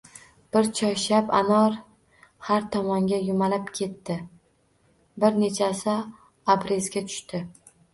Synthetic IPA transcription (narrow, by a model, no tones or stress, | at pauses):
b̥ɪɾt͡ʃʰɒʃapa̰nɒɾ | haɾt̪ʰɒmɒŋɡʲajʊmalapkʲʰe̞t̪ʰːɪ | bɪɾne̞t͡ʃʰasa | abɾezɡʲat̪ʰʊ̥ʃt̪ɪ